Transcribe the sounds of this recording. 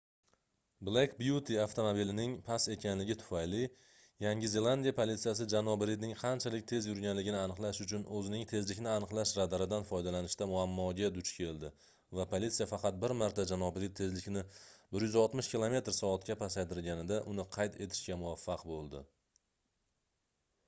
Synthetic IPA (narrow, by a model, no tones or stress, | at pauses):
blˠekbjut̪ʰiaft̪ʰomobilɪnɪŋpʰase̞kʲʰanlɪɡʲɪt̪ʰʊ̥fajlɪ | jaŋɡʲɪze̞lˠand̪ijapʰolit̪sijas̬ɪd͡ʒanɒbɪɾid̪̚nɪŋqʰɑnt͡ʃʰalɪk̚ʲt̪ʰe̞zjʊɾɡʲanlɪɡʲɪnɪanɨqlˠaʃʊt͡ʃʰʊnɵzɪnɪŋt̪ʰe̞zlɪkʲnɪanɨqlˠaʃɾad̪aɾad̪anfɒjd̪alanɪʃt̪amʊamːɒɡʲad̪ʊt͡ʃkʲʰe̞lˠd̪ɪ | vapʰolʲit̪sijafɑqɑt̪̚bɪɾmaɾt̪ʰad͡ʒanɒbɪɾit̪̚ʰːe̞zlɪkʲnɪbɪɾjʏzɒlˠt̪mɪʃkʲilˠome̞t̪ɾsɒːt̪̚kʲapʰasajd̪ɪɾɡʲanɪd̪aʔʊnɪqʰɑjt̪ʰe̞t̪ʰɪ̥ʃkʲamʊvafːɑqbolˠd̪ɪ̰